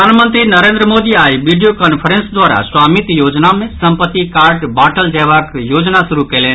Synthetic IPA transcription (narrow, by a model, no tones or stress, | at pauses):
anmənt̪ɾinəɾẽnd̪ɾəmod̪iaiʋiɖijokənpʰəɾensd̪ʋaːɾa̰swaːmit̪joːd͡ʒnamẽsəmpət̪ːikaːɾɖbaʈʰəld͡ʒɛbakjod͡ʒnasuɾukəlen